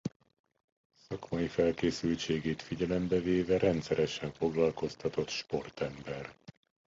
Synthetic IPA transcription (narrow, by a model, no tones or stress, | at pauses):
sɒkmɒjifɛlkeːsylt͡ʃeːɡeːt̪fiɟɛlɛmbɛveːvɛɾɛnt̪sɛɾɛʃɛɱfo̞ɡlɒlko̞st̪ɒt̪o̞t̪ʃpo̞rt̪ɛmbɛr